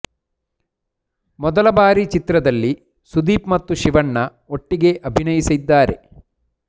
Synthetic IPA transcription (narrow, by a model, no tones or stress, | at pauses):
mɔd̪ɐlɐbaːɾit͡ʃit̪ɾɐd̪ɐlːi | sud̪iːpmɐt̪ːuʃiʋɐɳːɐ | o̞ʈːiɡe̞ʔɐbʱinɐjisid̪ːaːɾe̞̰